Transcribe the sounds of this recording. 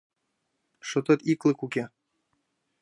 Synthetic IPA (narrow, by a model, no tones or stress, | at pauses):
ʃot̪ɤ̆t̪iklˠɤ̆kukʲe